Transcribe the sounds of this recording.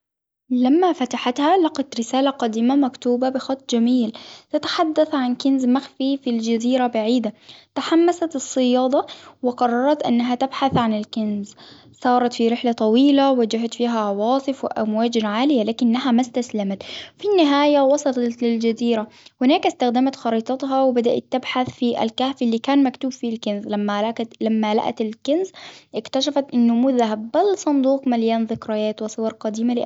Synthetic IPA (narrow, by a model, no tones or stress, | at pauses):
lamːafat̪aħat̪halɑqɑt̪ɾɪsaːlaqɑd̪iːmamakt̪uːbabɪxɑt̪ˤːd͡ʒamiːlt̪ɪt̪ḁħad̪ːaθʕankɪnzmaxfifild͡ʒaziːɾabaʕiːd̪at̪aħamːasat̪ɨsˤːɨjɑːd̪ˤɑwɪqɑrˤːɑɾˤɑt̪ʔa̰nːaɦat̪abħaθʕanɪlkɪnz | sˤɑːɾˤɑt̪fiɾɪħlat̪ˤɑwiːlawad͡ʒaɦat̪fiːɦaʕɑwɑːsˤɨfwɪʔamwaːd͡ʒnʕaːlɪjalaːkɪnːaɦamast̪aslamat̪finːɪɦaːjawɑsˤɑlɑɑt̪lɪld͡ʒaziːɾahʊnaːkast̪axd̪amat̪xɑɾiːt̪ˤɑt̪ɦɑwɪbad̪aʔa̰t̪ːabħaθfiʔa̰lkaːfilːiːkaːnmakt̪uːbfilkɪnzlamːalaalamːala̰ʔa̰t̪ɪlkɪnzʔɪkt̪aʃafat̪ʔɪnːʊmʊːðaɦabalsˤɑnd̪uːqmaljaːnðɪkɾajaːt̪wɪsˤʊwɑɾˤqɑd̪iːmalɪʔ